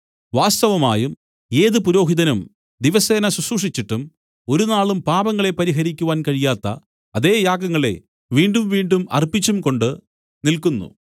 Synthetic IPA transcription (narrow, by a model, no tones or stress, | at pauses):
ʋaːst̪ɐʋɐmaːjum | e̞ːðɨpuɾo̞ːɦiðɐnum | d̪iʋɐse̞ːnɐsusuːʂit͡ɕːiʈːum | o̞ɾunaːɭumpaːbɐŋːɐɭe̞pɐɾiɦɐɾikʲːuʋaːnkɐɻijaːt̪ːɐ̰ | ɐðe̞ːjaːɡɐŋːɐɭe̞̰ | ʋiːɳɖumʋiːɳɖumɐ̰rpːit͡ɕːumko̞ɳɖɨ | nilkunːṵ